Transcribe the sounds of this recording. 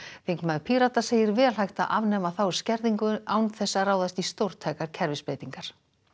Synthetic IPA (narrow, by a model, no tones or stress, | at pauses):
θeŋkmaðpʰiɾat̪aseːjɪɾvɛːlɦajxt̪a̰ʔavnɛːmaθaw̥scɛɾðiŋkʏawnθɛsːaraːwðast̪ist̪owɾ̥t̪ʰajkaɾ̥cʰɛɾvɪspɾeːjt̪iŋkaɾ̥